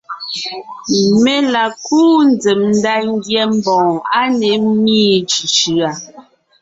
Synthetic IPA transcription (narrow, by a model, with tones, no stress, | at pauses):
me˦la˨kʰuː˦n˨˦d͡ze˨mn̩˦da˦ŋ̩˦ɡjɛ˦m̩˦bɔ̃ː˨ŋa˦ne˨˦miː˦t͡ʃi˨ʃʉ˨a˨